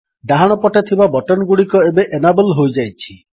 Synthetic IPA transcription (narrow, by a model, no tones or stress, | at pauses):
ɖaɦaɽ̃ɔpɔʈet̪ʰibabɔʈɔnɡuɽikɔebeʔenabɔlɦojd͡ʒajt͡ʃʰi